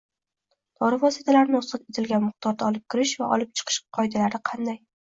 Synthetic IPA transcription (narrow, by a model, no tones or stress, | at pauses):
d̪̥ɒɾɪvɒsit̪ʰalaɾnɪɒsɨt̪et̪ʰɪlɡʲanmʊχt̪ʰɒɾd̪aɒlˠɪp̚kʲʰɪɾɪʃvaʔɒ̰lɪp̚t͡ʃʰɨ̥qʰɨ̥ʃqʰɒjd̪alaɾɪqʰɑnd̪aj